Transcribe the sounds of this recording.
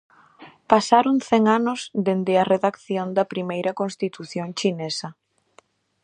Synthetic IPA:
pasaɾoŋθɛŋanʊzd̪end̪ɪɐreðakθjond̪ɐpɾimejɾɐkonst̪it̪uθjõŋt͡ʃinesɐ

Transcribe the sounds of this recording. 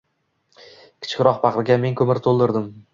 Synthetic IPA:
kʲʰɪ̥t͡ʃʰkʲɾɒqpʰɑqɾɪɡʲame̞ŋkʰɵmɪɾt̪ʰolˠd̪ɪɾd̪ɪm

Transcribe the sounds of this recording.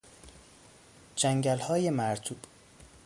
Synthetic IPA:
d͡ʒæŋɟælhɒːjemæɾt̪ʰuːb̥

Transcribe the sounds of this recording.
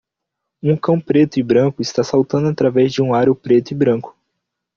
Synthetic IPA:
ũkɐ̃w̃pɾet̪ʊɪbɾɐ̃kʊɪst̪asawt̪ɐ̃nd̪ʊat̪ɾavɛzd͡ʒɪũaɾʊpɾet̪ʊɪbɾɐ̃kʊ̥

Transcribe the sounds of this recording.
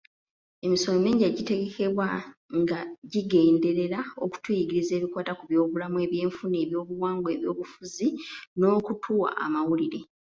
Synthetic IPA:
e̞miso̞lomeːɲɟaɟite̞ɡe̞ke̞βwaŋɡaɟiɡe̞ːnde̞ɾe̞ɾao̞ku̥twujiɡiɾize̞ːβikwaːtakuβjo̞ːβulamue̞βje̞ːɱfune̞ːβjo̞ːβuwaːŋɡwe̞ːβjo̞ːβufuzino̞ːkutʰuːwa̰ʔa̰mawuliɾe̞

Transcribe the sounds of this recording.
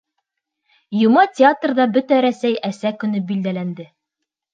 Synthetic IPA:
jumɑtʲɪat̪rd̪ɑbɵt̪æɾæsæjæsækɵ̆nɵbild̪ælænd̪ɘ

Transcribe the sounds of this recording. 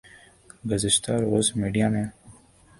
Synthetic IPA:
ɡəzɪʃt̪aːɾoːzmiːɖijaːmẽː

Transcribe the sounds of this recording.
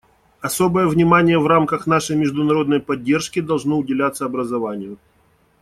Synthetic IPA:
ɐsobəjəvnʲɪmanʲɪjəvramkəxn̪aʂəjmʲɪʐd̪ʊnɐɾo̞d̪nəjpɐdʲːe̞rʂkʲɪd̪ɐlˠʐnoʊdʲɪlʲat̪səɐbɾəzɐvanʲɪjʊ

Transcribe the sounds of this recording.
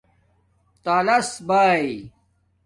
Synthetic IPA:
t̪aːlɐsbaːj

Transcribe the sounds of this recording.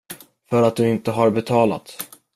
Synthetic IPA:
fœɾat̪̚d̪ɵɪnt̪əɦaɾbɛt̪ʰɑːla̰t̪

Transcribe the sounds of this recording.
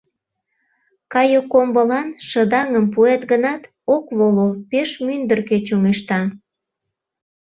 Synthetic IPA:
kɑjokombəlɑnʃə̆d̪ɑŋəmpuet̪ɡənɑt̪ | okβolopeʃmynd̪ərket͡ɕoŋeʃt̪ɑ

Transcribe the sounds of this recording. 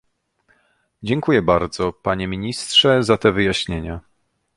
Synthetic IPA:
d͡ʑɛŋkujɛbaɾd̪zɔpaɲɛmʲiɲistʂɛzat̪ɛvɘjaɕɲeɲa

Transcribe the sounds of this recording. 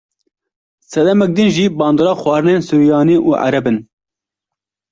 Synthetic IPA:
sɛd̪ɛmɛk̚d̪ɨnʒiːbɑːnd̪oːɾɑːxwɑːɾɨneːnsuːɾijɑːniːʔuːʔa̰ɾɛbɨn

